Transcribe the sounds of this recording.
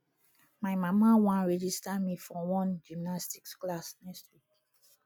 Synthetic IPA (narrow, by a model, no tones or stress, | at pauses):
majmamawãɹɛd͡ʒistamifɔ̃wɔ̃nd͡ʒimnastiksklasnɛkstwik